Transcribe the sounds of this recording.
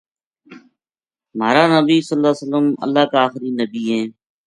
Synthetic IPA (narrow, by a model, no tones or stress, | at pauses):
maːɾaːnəbiːsəlːaːsələmə̰lːaːkaaːxɾiːnəbiːɦɛ̃ː